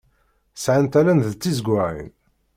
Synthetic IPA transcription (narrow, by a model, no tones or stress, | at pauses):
sʕant̪ælænðt͡sːizɡʷʊʕḭn